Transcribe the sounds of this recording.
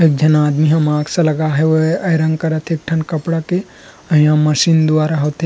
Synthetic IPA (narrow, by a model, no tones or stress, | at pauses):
eːk̚d͡ʒɐnaːd̪miɦɐmãːɡsɐ̃lɐɡaɦɛʋoɐjɾɐ̃ŋɡkɐɾət̪ʰeːk̚ʈʰɐnkɐpɽake | ɐɦĩjãmɐʃiːnd̪ʊaːɾaɦoːt̪e